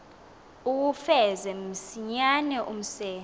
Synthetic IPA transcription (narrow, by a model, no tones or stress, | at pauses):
uk̬ufɛzɛmm̩siɲanɛʔum̩sɛːn